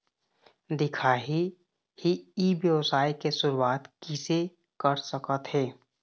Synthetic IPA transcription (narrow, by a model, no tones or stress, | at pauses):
d̪ɪkʰaːɦi | hiiʋjəʋsaːikesʊɾuwaːt̪kɪse | kəɾsəkət̪ɦeː